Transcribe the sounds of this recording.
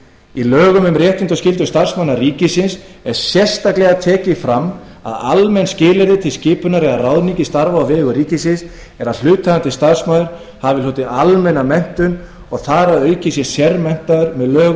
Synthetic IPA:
ilœːɣʏmʏmɾrjɛht̪ɪnt̪ɔscɪlt̪̬ʏst̪ar̥smawnariːcɪsɪns | ɛɾ̥sjɛr̥st̪aklɛɣat̪ʰɛːcɪfɾamː | a̰ða̰lmɛnscɪːlɪɾðɪt̪ʰɪlscɪːpʏnaɾɛɣarawðniŋcɪst̪aɾvaavɛːɣʏɾiːcɪsɪns | ɛɾaðl̥ʏːt̪ʰːaant̪ɪst̪aɾ̥smaːðʏɾ̥ | havɪlɔːt̪ɪalmɛnamɛm̥t̪ʏn | ɔɣθaɾaðœɥcɪsjɛsjɛɾmɛm̥t̪aðʏɾmɛðlœːɣ

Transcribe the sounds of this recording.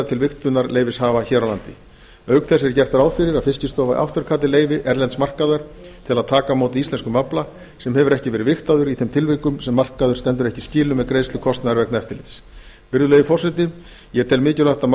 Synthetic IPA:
t̪ʰɪlvɪxt̪ʏnaɾleːjvɪshaːvaçɛːɾawla̰nt̪ɪ̰ | œɥkθɛsɛɾcɛr̥t̪ʏɾaːwðfɪɾɪɾaðfɪscɪst̪ɔːvaʔa̰ft̪ʏɾ̥kʰaːt̪ɪleːjvɪʔɛɾlɛnt̪smar̥kaðaɾ̥t̪ʰɪlaðt̪ʰaːkamoːwt̪ɪist̪ɛnskʏmapla | sɛmhɛvʏɾɛhcɪvɛːɾɪvɪxt̪aðʏɾiθejmt̪ʰɪlvɪkʏmsɛmːar̥kaðʏɾ̥t̪ɛnt̪ʏɾɛhcɪsciːlʏmɛðkɾeːjst̪ʏkʰɔst̪naðaɾvɛknɛft̪ɪlɪt̪s | vɪɾðʏleːjɪfɔsɪt̪ɪ | jɛɾt̪ʰɛlmɪːcʏlaht̪am

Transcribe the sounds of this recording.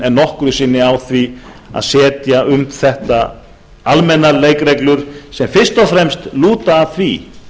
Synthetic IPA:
ɛnːɔhkʏɾʏsɪnːɪawθvi | a̰ðsɛːt̪jaʏmθɛht̪a̰ | almɛnːaleːjkrejklʏɾ̥sɛmfɪr̥st̪ɔfɾɛmst̪luːt̪aːθvi

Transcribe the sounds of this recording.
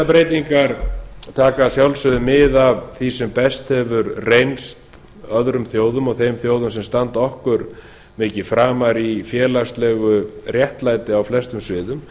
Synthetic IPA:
apɾejt̪iŋkaɾt̪ʰaːkasjawlsʏðʏmɪðavθisɛmpɛst̪hɛvʏɾrejnst̪ | œðɾʏmθjoːwðʏmɔɣθejmθjoːwðʏmsɛmst̪ant̪ɔhkʏɾ | mɪːcɪfɾaːmaɾifjɛːlast̪lɛɣʏrjɛht̪lajt̪ɪawflɛst̪ʏmsvɪːðʏm

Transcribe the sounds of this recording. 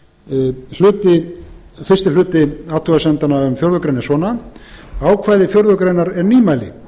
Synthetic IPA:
l̥ʏːt̪ɪ | fɪr̥st̪ɪlʏːt̪ɪawt̪ʰʏɣasɛmt̪anaʏmfjɔɾðʏkɾejnɪsvɔːna | aːwkʰvaːjðɪfjœɾðʏkɾejnaɾɛɾniːmajlɪ̰

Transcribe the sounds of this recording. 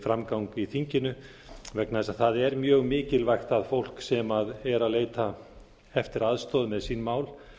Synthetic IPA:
fɾamkawŋkiθiɲcɪnʏ | vɛknaðɛsaðθaðɛɾmjœːɣmɪːcɪlvajxt̪aðfowl̥ksɛmaðɛɾaðleːjt̪a | ɛft̪ɪɾaðst̪ɔːðmɛðsinmaːwl

